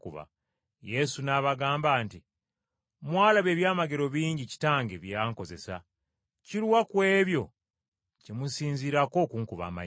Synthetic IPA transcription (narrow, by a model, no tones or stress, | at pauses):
kuβa̰ | je̞sunaβaɡaːmbaːnti | mwaːlaβe̞ːβjaːmaɡe̞ɾo̞βiːɲɟici̥taːŋɡeβjaːŋko̞ze̞sa̰ | ciɾwakwe̞ːβjo̞ | cemusiːnziːɾako̞ːkuːŋkuβa̰ːma̰